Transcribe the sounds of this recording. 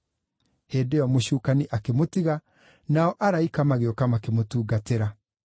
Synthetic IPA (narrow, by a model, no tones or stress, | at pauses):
heːdeɔmoɕuːkaniʔakemotiɣa | naɔʔaɾaikamaɣeɔkamakemotuːɡateɾa